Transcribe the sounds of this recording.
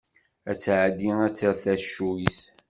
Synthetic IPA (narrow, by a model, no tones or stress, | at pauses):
æt͡sːʕəd̪iŋæt͡sːəɾθæʃuiθ